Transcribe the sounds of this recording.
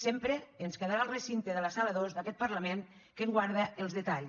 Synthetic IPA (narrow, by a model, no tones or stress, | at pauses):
sempɾeːnskeðaɾalˠrəsint̪eðəlasaβəðozðakɛt̪̚pərləmeŋ | keŋɡwaɾð̞əelˠzðət̪aʎ